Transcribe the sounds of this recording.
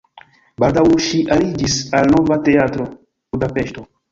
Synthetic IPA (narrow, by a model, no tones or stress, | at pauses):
baldawʃiʔalid͡ʒisalno̞vate̞atɾo̞ | budapeʃto